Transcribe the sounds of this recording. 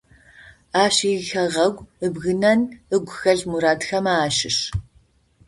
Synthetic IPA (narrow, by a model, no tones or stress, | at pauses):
aːɕixɐʁɐɡʷəbɣɨnɐnəɡʷʊxɐɮmuɾaːdxɐmaːʃɪ̰ɕ